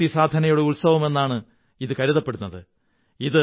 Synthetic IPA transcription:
isaːd̪ʱɐnɐjuɽeulsɐʋɐme̞nːaːɳɨ | iðɨkɐɾiðɐpːe̞ɽunːɐðɨ | iðɨ

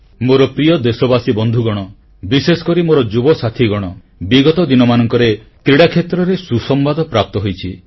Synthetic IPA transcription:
moɾɔpɾijɔd̪esɔbasibɔnd̪ʱuɡɔɽ̃ɔ | bisesɔ̥kɔɾimoɾɔd͡ʒubɔsat̪ʰiɡɔɽ̃ɔ | biɡɔt̪ɔd̪inɔmanɔŋkɔɾe | k̪ɾiɽakʰet̪ɾɔɾesusɔmbad̪ɔpɾap̚t̪ɔɦojt͡ʃʰi

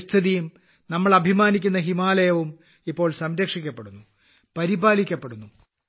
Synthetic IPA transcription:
st̪ʰɐðijum | nɐmːɐɭɐbʱimaːnik̬ʲːunːɐɦimaːlɐjɐʋum | ipːo̞ːɭsɐmɾɐkʂikʲːɐpːe̞ɽunːu | pɐɾibaːlikʲːɐpːe̞ɽunːu

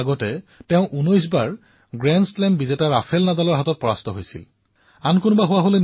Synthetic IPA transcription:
ɡɔtɛtɛʊ̃ʔunɔjsbaɹ | ɡɹɛnsplɛmbizetaɹapʰɛlnadalɔɹɦatɔt̚pɔɹa̰stɔɦojsḭl | ankonʊbaɦʊwaɦolɛ

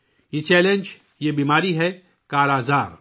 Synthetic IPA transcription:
jet͡ʃɛːlẽnd͡ʒ | jebiːmaːɾiɦɛ | kaːɾaːzaːɾ

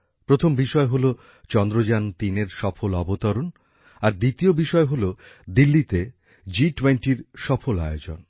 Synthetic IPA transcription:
pɾot̪ʰombiʃɔeɦolo | t͡ɕɔnd̪ɾod͡ʑant̪ineɾʃɔfolɔbot̪ɔɾon | aɾd̪it̪iobiʃɔeɦolod̪ilːit̪e | d͡ʑiʈweɳʈiɾʃɔfola̰eod͡ʑo̰n

